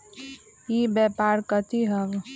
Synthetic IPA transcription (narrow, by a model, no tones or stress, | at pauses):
ibɛːpaːɾkət̪ʰiɦɐɡ